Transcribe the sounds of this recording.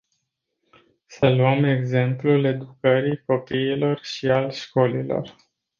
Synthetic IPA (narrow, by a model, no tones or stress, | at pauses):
səluəme̞ɡze̞mplule̞d̪ukəɾijko̞piːlo̞rʃialʃko̞lilo̞̰r